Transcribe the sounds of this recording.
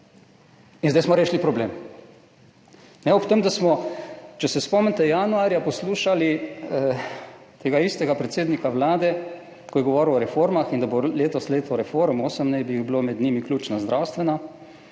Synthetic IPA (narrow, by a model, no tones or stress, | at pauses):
inzd̪ajsmɔɾeːʃlipɾɔbleːm | nɛɔpt̪əmd̪asmɔt͡ʃɛsɛspɔmnt̪ɛjanuaːɾjapɔsluːʃali | t̪eːɡaist̪ɛɡapɾɛt̪seːd̪nikaʋlaːd̪ɛ | kɔjɛɡɔʋɔːɾiwɔɾɛfoːɾmaxind̪aboleːt̪ɔsleːt̪ɔɾɛfoɾmoːsəmnɛjbiiɣbilomɛd̪niːmiklʲuːt͡ʃnazd̪ɾawst̪ʋɛna